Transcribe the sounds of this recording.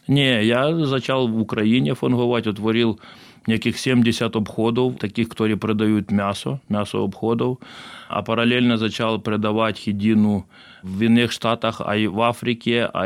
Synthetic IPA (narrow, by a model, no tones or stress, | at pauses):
nʲejazɐt͡ʃalˠʋʊkɾɐjinʲɛfɐnɦʊʋatʲɔt̪ʋɔɾʲilˠ | nʲekʲɪxsʲemʲdʲɪsʲat̪ɔbxɔd̪ɔwt̪ɐkʲixkɐ̥t̪oɾɨjɛpɾɪd̪ɐjut̪mʲasɔmʲasɔ̰ɔbxɔd̪ɔwɐ̰pɐɾɐlʲelʲnɐzɐt͡ɕalˠpɾɪd̪ɐʋatʲxʲɪdʲinʊ | inːɪxʂt̪at̪ɐxɐ̰ʋafɾʲɪkʲɪɐ̰